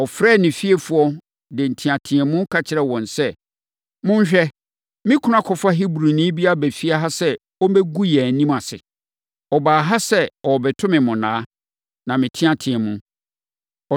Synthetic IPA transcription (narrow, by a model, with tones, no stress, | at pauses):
ɔ˨fɾɛː˦˨nɪ̃˨fi˦e˦fʊ˨˦ɔ˦ | dɪ˨n̩˨tʰĩ˨ã˨tʰɪ̃˨ɛ˨mʊ̃˦kʰa˨t͡ɕʰɪ˨ɾɛ˨wɔ̃˨nsɛ˦ | mʊ̃˦ɲ˦ɕᶣɛ˦ | mɪ̃˦kʰʊ̃˦ã˦kʰɔ˨fa˦ɦi˦bɾu˨nĩː˦bi˦a˦˨bæ˨fi˦a˦ɦa˦sɛ˦ | ɔ˦m˦bɛ˦ɡu˦jɛ˨nĩ˦ma˨sɪ̰˨ | ɔ˨baː˨ɦa˦sɛ˦ɔ˨bɛ˨tʰʊ̃˦mɪ̃˨mʊ̃˨nãː˨˦ | nã˨mɪ̃˨tʰɪ̃˦ã˨tʰɪ̃˨ɛ̃˨mʊ̃˦ | ɔ˨